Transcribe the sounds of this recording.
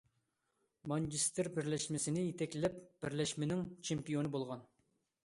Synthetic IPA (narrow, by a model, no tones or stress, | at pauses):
mɑnt͡ʃist̪ɪɾbɪɾlɛʃmɪsɪnɪjet̪ʰɛkʲlɪlɛpb̥ɪɾlɛʃmɪnɪŋt͡ʃʰempijonɨbolˠʁɑn